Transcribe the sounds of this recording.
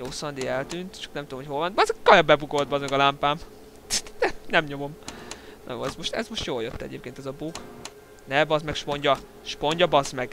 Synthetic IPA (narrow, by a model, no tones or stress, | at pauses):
joːsɒnd̪iɛlt̪ynt̪t͡ʃɒ̥knɛmt̪ud̪omhocho̞lvɒnt̪bɒzkɒjɒbɛbukolt̪̚bɒzɡɒlampaːm | ɛnɛmɲo̞mo̞mnɒ̰jo̰ɛzmo̞ʃt̪ɛ̰zmo̞ʃt̪joːljøt̪ːɛ̰ɟeːp̚keːnɛzɒbuɡ | nɛbɒzmɛkʃpo̞ɲɟɒ | ʃpo̞ɲɟɒbɒzmɛɡ̥